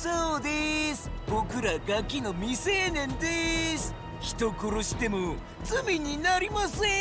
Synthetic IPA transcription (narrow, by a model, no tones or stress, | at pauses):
soːd̪esɨ̥bo̞kɯ̟ɾaɡakʲːino̞mʲise̞ːnẽ̞nd̪esɨ̥ | çi̥t̪o̞koɾoɕi̥t̪e̞mo | t͡sɨmʲiɲ̟inaɾʲimasɨ